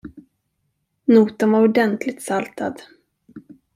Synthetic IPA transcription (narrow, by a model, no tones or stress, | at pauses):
nuːt̪ənvaɾʊɖɛnt̪ʰlɪt̪salt̪ʰa̰d̪